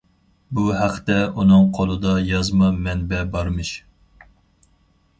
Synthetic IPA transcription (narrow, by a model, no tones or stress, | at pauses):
buɦæqʰt̪ɛunɨŋqʰolˠɨd̪ɑjɑzmɑmɛnbɛbɑɾmɨʃ